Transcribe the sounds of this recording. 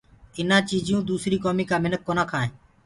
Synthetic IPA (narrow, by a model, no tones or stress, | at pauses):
ɪnãːt͡ʃiːd͡ʒɪjũːd̪uːsɾiːkoːmiːkaːmɪnək̚ːoːnaːkʰaːɦẽː